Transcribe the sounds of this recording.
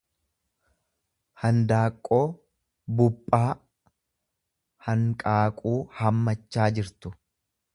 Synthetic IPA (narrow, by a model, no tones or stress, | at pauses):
hɐnd̪aːkʼːo̞ː | bʊpʼːaː | hɐŋkʼaːkʼuːhɐmːɐt͡ʃːaːd͡ʒɪɾt̪ʊ